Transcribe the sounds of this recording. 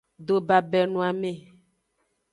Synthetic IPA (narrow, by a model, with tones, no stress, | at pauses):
ɖ̪o˨ba˨bɛ˨nũ˨˦a˨mẽ˨